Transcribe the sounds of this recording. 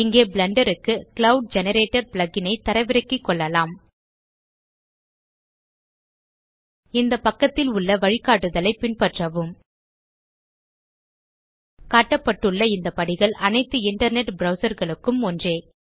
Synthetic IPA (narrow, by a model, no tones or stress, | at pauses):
ɪŋɡeːbɪɭɐɳɖɐɾɯkːɯkɪɭɐʊɖ̚d͡ʒɛnɐɾeːʈːɐɾplɐɡɪnɐɪt̪ːɐɾɐɪʋɪɾɐkːikːɔɭːɐlaːm | ɪnd̪ɐpɐkːɐt̪ːɪlʊɭːɐʋɐɻɪkːaːʈːɯðɐlɐɪpɪnpɐʈrɐʋɯm | kaːʈːɐpːɐʈːɯɭːɐɪnd̪ɐpɐɽɪɣɐɭʔɐnɐɪt̪ːɯɪɳʈɐɾnɛʈbɾɐʊsɐɾɣɐɭɯkːɯmɔndreː